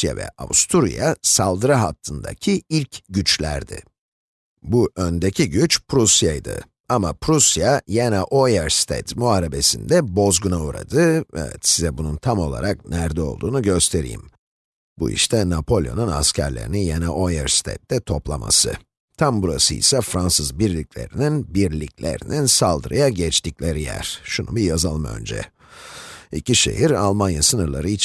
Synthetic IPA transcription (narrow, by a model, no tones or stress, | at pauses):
ja̰vɛ̰a̰vust̪ʰuɾḭjasalˠd̪ɯɾaɦat̪ʰːɯnd̪a̰cʰiilʲcɟyt͡ʃlʲæ̰ɾd̪ɪ̰ | buʔønd̪ecʰiɟyt͡ʃpɾusjajd̪ɯ̰ | amapʰɾusjajenaʔojaɾst̪ʰɛ̰t̪muaɾebe̞sind̪ɛbo̞zɡunauɾa̰d̪ɯɛvɛt̪sizɛbununt̪ʰamo̞lˠa̰ɾak̚næɾd̪ɛo̞̰lˠd̪uːnuɟø̞st̪ʰe̞ɾḭjḭm | bṵḭʃt̪ʰɛnapʰo̞lʲˠjo̞̰nuna̰scʰæɾlʲeɾḭnijenɛʔojɛɾst̪ʰḛt̪̚d̪ɛt̪ʰo̞plˠamʔa̰sɯ̰ | t̪ʰambuɾasɯḭsɛfɾansɯzbiɾlʲiclʲe̞̰ɾininbiɾlʲiclʲḛɾininsalˠd̪ɯɾa̰jaɟɛt͡ʃt̪ʰiclʲeɾijæ̰ɾ̥ʃunubijazalˠɯmø̞̰nd͡ʒɛ̰ | iciʃe̞̰ɦiɾalˠmanjasɯnɯɾlˠaɾɯit͡ʃ